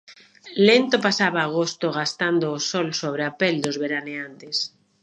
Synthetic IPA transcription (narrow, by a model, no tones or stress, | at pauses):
lent̪opasaβaːɣ̞ost̪oɣ̞ast̪and̪oːsolsoβ̞ɾeapeld̪ozβeɾaneant̪es